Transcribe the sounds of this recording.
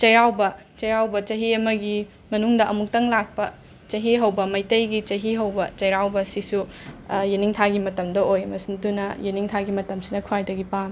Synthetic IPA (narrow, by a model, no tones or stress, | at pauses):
t͡ʃɐjɾawbɐ | t͡ʃɐjɾawbɐt͡ʃɐɦiɐmɐɡi | mɐnuŋdɐʔɐmuk̚tɐŋlak̚pɐ | t͡ʃɐɦiɦɐwbɐmɐjtɐjɡit͡ʃɐɦiɦɐwbɐt͡ʃɐjɾawbɐsisujeniŋtʰaɡimɐtɐmdɐojmɐsindunɐjeniŋtʰaɡimɐtɐmsinɐkʰuajdɐɡipan